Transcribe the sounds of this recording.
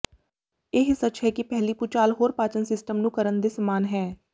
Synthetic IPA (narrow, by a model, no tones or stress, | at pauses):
eːɦsət͡ʃɦɛːkipɛɦliːpʊt͡ʃaːlɦoːɾpaːt͡ʃənsɪsʈəmnũːkəɾənd̪eːsəmaːnɦɛː